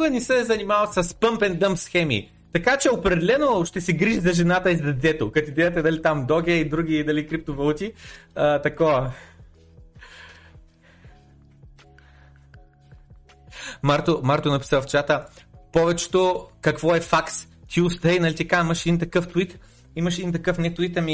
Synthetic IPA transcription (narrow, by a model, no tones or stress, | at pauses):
ɡənisɛzɐnimavɐt̪sɐspəmpɛnd̪əmsxɛmḭ | t̪ɐkat͡ʃɛopɾɛd̪ɛlɛnoʃt̪ɛsɛɡɾiʒizɐʒɛnat̪əizd̪ɐd̪ɛt̪okɐt̪id̪ɛd̪ɐt̪ɛd̪ɐlit̪amd̪ɔɡʲɛid̪ɾuɡʲid̪ɐlikɾip̚t̪ovɐlˠut̪ʲiət̪ɐkɔɐ | maɾt̪omaɾt̪onɐpi̥səft͡ʃat̪əpɔvɛt͡ʃɛ̥t̪okɐkvɔɛfaks | t̪iust̪əjnɐlit̪ikaimɐʃɛd̪ʲint̪ɐkɤft̪it̪ | imɐʃ̬ɛd̪int̪̬ɐkɤfnɛt̪ʊit̪ɐmi